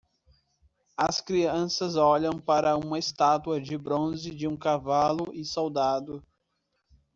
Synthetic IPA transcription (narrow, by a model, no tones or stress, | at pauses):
ɐskɾiɐ̃sɐzɔʎɐ̃w̃paɾɐũmɐɪst̪at̪uɐd͡ʒɪbɾõzɪd͡ʒɪũkavalʊʔɪsowd̪ad̪ʊ